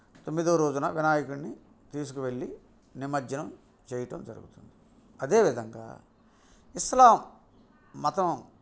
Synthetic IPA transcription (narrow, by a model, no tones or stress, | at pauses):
t̪omːid̪oːɾo̞ːd͡ʒunɐʋinaːjikuɳni | t̪iːs̬ukuʋe̞ɭːi | nimɐd͡ʒɐnɐm | t͡ʃeːjɐʈɐmd͡ʒɐɾṵɡut̪und̪i | ɐd̪e̞ːʋid̪ʱɐŋɡa̰ː | islaːmː | ɐt̪ɐm